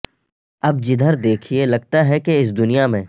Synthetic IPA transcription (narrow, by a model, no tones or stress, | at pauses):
ɐb̚d͡ʒɪd̪ʱəɾd̪eːkʰielɐɡ̚t̪aɦɛkeɪs̬d̪ʊnijamẽː